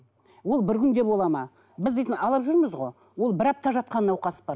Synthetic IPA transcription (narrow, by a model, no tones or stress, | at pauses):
wo̞lˠbɪɾkʲʰʏnd̪e̞pwo̞lˠɑmɑ | bɪzd̪ejt̪ɪnɑlˠɑpʒʏɾməzʁo̞ | wo̞lˠbɪɾɑp̚t̪ɑʒɑt̪̚qɑnənɑwqɑsə̥pɑ